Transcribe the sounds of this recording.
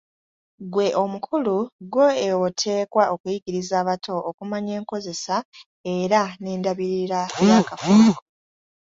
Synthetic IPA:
ɡwe̞ʔo̞mukʰuluɡwo̞ewotʰe̞ːkwaʔo̞kujiɡiɾizaːβatʰo̞ʔːkumaɲe̞ːŋko̞ze̞sa | e̞ɾane̞ːndaβiɾiɾajakafuo

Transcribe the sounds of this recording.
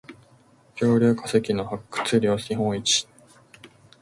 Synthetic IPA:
kʲo̞ːɾʲɨ̟ːkḁsekʲino̞hakːɯ̥t͡sɨɾʲjo̞ːiɦõɰ̃it͡ɕi̥

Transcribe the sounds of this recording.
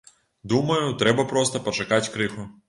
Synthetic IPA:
d̪umɐjʊt̪ɾɛbɐpɾɔst̪ɐpɐt͡ʃɐkat͡sʲkɾɪxʊ

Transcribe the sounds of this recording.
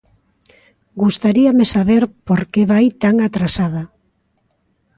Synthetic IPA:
ɡust̪aɾiamesaβeɾpoɾkeβajt̪aŋat̪ɾasaða

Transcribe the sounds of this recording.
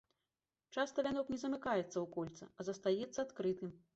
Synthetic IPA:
t͡ʂast̪ɐvʲanɔknʲɛzɐmɨkajɛt̪sːɐwkɔlʲt̪sɐɐzɐst̪ajɛt̪sːɐat̪kɾɨt̪ɨm

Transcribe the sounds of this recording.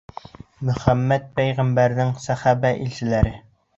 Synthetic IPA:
mɵ̆hæmːæt̪̚pæjʁæmbæɾnɘŋsæhæbæʔilɕɪlæɾɘ

